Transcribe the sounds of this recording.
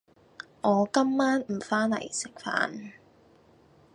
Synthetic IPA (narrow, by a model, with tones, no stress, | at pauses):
ʔɔː˨˧kɐ˥mːaː˥nm̩˨˩faː˥nlɐ̰˨˩jsɪ˨k̚fa̰ː˨˧n